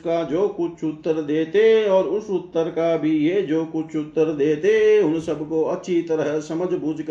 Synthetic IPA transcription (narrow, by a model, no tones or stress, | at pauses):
kad͡ʒoːkʊt͡ʃʰʊt̪ːəɾd̪eːt̪eɔːɾʊsʊt̪ːəɾkabʱijed͡ʒoːkʊt͡ʃʰʊt̪ːəɾd̪eːt̪eʊnsəbkoɐtːʃʰit̪əɾəɦsɐməd͡ʒʱbuːd͡ʒk